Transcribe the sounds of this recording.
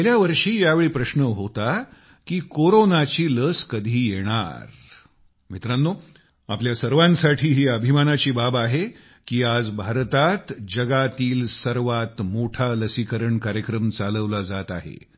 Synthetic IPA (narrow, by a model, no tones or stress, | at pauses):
eljaʋəɾʂiːjaʋeɭiːpɾəɕnəɦot̪a | kiːkoɾonat͡ɕiːləskəd̪ʱiːjeɽ̃a̰ɾ | mit̪ɾanːo | apljasəɾʋãnsaʈʰiːɦiːəbʱimanat͡ɕiːbabaɦe | kiːad͡zbʱaɾt̪at̪d͡ʑəɡat̪iːlsəɾʋat̪moʈʰaləsikəɾəɳkaɾjəkɾəmt͡saləʋlad͡zat̪aɦḛ